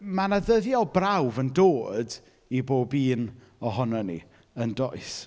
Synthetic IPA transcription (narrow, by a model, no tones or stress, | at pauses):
manaðəðjɔlˠbrawvəndoːd | iboːbiːn | ɔɦɔnɔnḭ | əndɔɨs